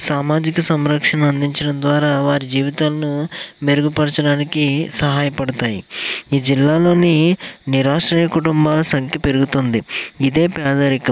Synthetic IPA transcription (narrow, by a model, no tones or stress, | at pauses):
saːmaːd͡ʒikɐsɐmɾɐkʂɐnɐɐnd̪iɲt͡ʃɐɽɐnd̪ʋaːɾaːʋaːɾid͡ʒiːʋit̪aːlɐnume̞ɾuɡupɐɽɐt͡ʃɐɽaːnikisɐɦaːjɐpɐɽɐt̪aːjiiːd͡ʒilːaːlo̞ːniniɾaːʂɾiːjɐkuʈumbaːlɐsɐŋkjɐpe̞ɾuɡut̪ond̪iid̪e̞ːpjaːd̪ɐɾikɐm